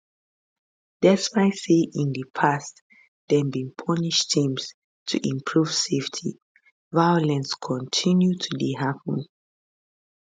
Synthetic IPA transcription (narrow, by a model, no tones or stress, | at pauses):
d̥ɛspaɪsiʔĩndəpʰast | d̥ɛ̃nbĩŋpʰɔniʃtʰĩms | tʰṵʔĩmpʰɹuv̥seftʰḭ | vajɔlɛ̃nskʰɔ̃ntʰĩnjutʰubiɦapʰə̃n